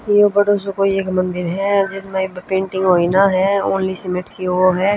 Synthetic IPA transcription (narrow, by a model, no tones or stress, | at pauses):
jobɐɽoːsokoieːkmɐ̃nd̪ɪɾɦɛd͡ʒɪsmebpẽːɳʈɪ̃ŋɡɦoːinaɦɛoːnlisɪmɪʈkiʋoɦɛː